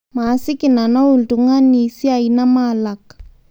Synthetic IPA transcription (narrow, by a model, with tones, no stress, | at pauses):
ma˨sɪ˦ki˨na˨na˦u˨ltu˨ŋa˦ni˨si˦a˨i˦na˦ma˨la˨k